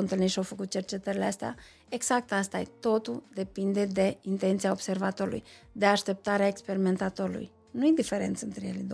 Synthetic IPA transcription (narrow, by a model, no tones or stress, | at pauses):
ɨnt̪ɨlnit̪ʃiawfəkut̪̚t͡ʃe̞rt͡ʃe̞t̪əɾileast̪ea̰ | e̞ɡz̥ak̚t̪ast̪a̰jet̪o̞t̪uld̪e̞pind̪e̞d̪e̞int̪e̞nt̪siaobse̞rvat̪o̞ɾulṵjd̪e̞aʃt̪e̞p̚t̪aɾeaekspe̞ɾime̞nt̪at̪o̞ɾulṵj | nujed̪ife̞ɾe̞̰nt̪səɨnt̪ɾejḛled̪o